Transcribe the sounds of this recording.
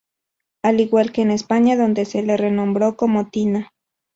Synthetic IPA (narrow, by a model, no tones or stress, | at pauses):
aliɡwalkeːnespaɲaðond̪eselerenombɾokomot̪ina